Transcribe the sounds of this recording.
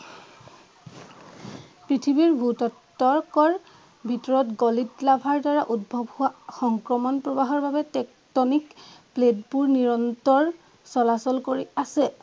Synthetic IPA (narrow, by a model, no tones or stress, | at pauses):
pɹitʰibiɹbʱutɔtː | ɔɹkɔɹ | bʱitɔɹɔtɡolitlabʱaɹdaɹaʔudbʱɔbhʊaxɔŋkɹɔmɔnpɹɔbaɦɔɹbabɛtɛk | tɔnikpledpuɹniɹɔntɔɹ | sɔlasɔlkoɹiasɛ